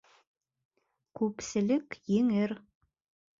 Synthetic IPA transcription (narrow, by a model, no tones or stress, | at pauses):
kʉpsɘ̆lɘkjɘ̆ŋɘɾ